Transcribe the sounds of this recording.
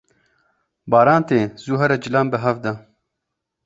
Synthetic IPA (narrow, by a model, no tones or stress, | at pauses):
bɑːɾaːnt̪eːzuːɦɐɾɐd͡ʒɪlaːmbəɦɐvd̪ɐ